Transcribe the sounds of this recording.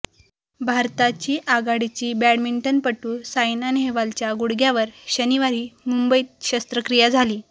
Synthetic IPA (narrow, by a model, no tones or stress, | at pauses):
bʱaɾt̪at͡ɕiːʔaɡaɽit͡ɕiːbæɽmiɳʈənpəʈːuːsajnanɦeʋalt͡ɕjaɡuɽɡjaʋəɾɕəniʋaɾiːmumbəjit̪ɕəst̪ɾəkɾijad͡zʱaliː